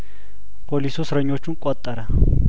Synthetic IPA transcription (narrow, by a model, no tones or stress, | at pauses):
polisosɾaɲot͡ʃʊŋkʼwat̪ʼaɾa